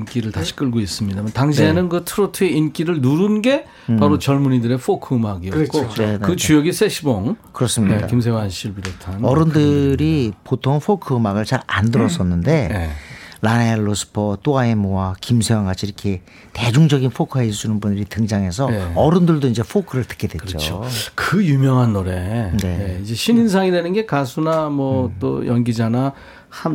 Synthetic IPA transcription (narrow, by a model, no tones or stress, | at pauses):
ink͈iɾɯɭtaɕʰi̥k͈ɯɭɡois͈ɯmɲidamantaŋɕʰienɯnɡɯtʰɯɾotʰɯeink͈iɾɯɭnuɾunɡe̞ | paɾot͡ɕʌɭmuɲidɯɾe̞fʰokʰɯːmaɡiʌk͈onenekɯt͡ɕujʌɡisʰeɕʰiboŋkɯɾʌs͈ɯmɲia̰kims̬ʰewanɕʰiɭbiɾottʰanʌɾɯndɯɾipotʰoŋɸʰokʰɯɯmaɡɯɭt͡ɕaɾa̰ndɯɾʌs͈ʌnːɯnde̞elaneelːosʰɯ̥pʰʌt͈oaemoakimsʰewanɡat͡ɕʰiɾʌkʰe̞ | te̞d͡ʑuŋd͡ʑʌɡinɸʰokʰɯɦes͈ʰunɯnbundɯɾitɯŋd͡ʑaŋɦe̞sʰʌʌɾɯndɯɭdoiɲd͡ʑe̞pʰokʰɯɾɯɭtɯ̥k͈e̞dwe̞t͡ɕt͡ɕo̰okɯjumjʌŋɦanːoɾe̞ne̞eid͡ʑeɕʰininsʰaŋidenɯnɡe̞kasʰunamwʌt͈o̰jʌnɡid͡ʑana | ham